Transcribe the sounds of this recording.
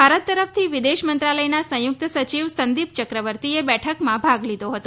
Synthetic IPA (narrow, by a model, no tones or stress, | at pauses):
bʱaɾət̪ːəɾəft̪ʰiʋɪd̪eʃmənt̪ɾaləjnasə̃jʊk̚t̪sət͡ʃiʋsənd̪ip̚t͡ʃəkɾəʋəɾt̪iebɛʈʰəkmãbʱaɡlid̪ʱoɦət̪o